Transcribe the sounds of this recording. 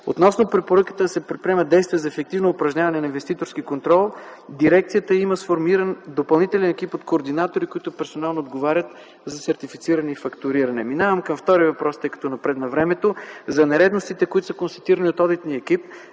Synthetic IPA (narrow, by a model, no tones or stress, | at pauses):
o̰t̪nɔsnopɾɛpoɾəkə̥t̪əd̪ɐsɛpɾɛt̪̚pɾʲiɛməd̪ɛjst̪viɛzɐɛfɛk̚t̪ivnoːpɾɐʒnʲavɐnɛnɐinvɛst̪it̪oɾskikont̪ɾɔlˠd̪iɾɛkt̪sijət̪əiməsfoɾmiɾənd̪opɐlˠnit̪ɛlɛnɛkipot̪koːɾd̪inat̪oɾikoit̪ʊpɛɾsonalˠnoːd̪ɡovaɾʲət̪ | zɐsɛɾt̪ifi̥t̪siɾɐnɛifɐkt̪ʊɾiɾɐnɛminavəmkɐmft̪ɔɾivɐpɾɔst̪ɤjkɐ̥t̪ɔnɐpɾɛd̪nɐvɾɛmɛt̪ozɐnɛɾɛd̪nost̪it̪ɛkoʊit̪ʊsəkonst̪ɐ̥t̪iɾəniot̪ɔd̪it̪niəɛk̟ip̚